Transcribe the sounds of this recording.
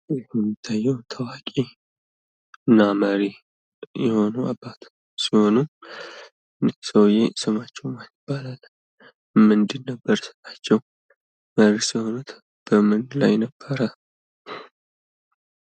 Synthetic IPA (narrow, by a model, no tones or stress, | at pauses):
ɛɛmːit̪ʰːajːɛwnt̪ʰəwakʼe | ɨnːaməɾi | jɛho̞nua̰bːat̪ | siho̞nu | nsəwjesɨmat͡ʃːɛwmajɪb̥ːalal | mɨnd̪inːəbːəɾsɨ̥t̪ʼat͡ʃːɛw | məɾisiho̞nut̪ | b̥əmɨnlajnəb̥ːəɾə